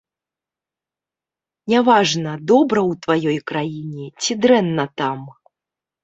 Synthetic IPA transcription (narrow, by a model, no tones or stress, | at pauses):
nʲavaʐnɐd̪ɔbɾɐwt̪vajɔjkɾajinʲɛt͡sʲid̪ɾɛnːɐt̪am